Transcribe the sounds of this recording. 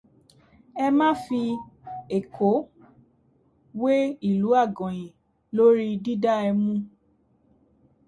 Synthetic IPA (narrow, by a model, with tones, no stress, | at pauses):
ɛ˧mã˦fi˧e˨kʰo˨˦ | we˦i˦˨lu˨˦a˦˨ɡɔ̃˨jĩ˨ | lo˦ɾi˦di˦da˦ɛ˧mũ˦